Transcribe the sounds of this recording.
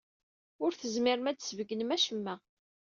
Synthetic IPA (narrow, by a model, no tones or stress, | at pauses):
ʊɾθəzmɪɾmæd̪svəɡːənəmæʃəmːæ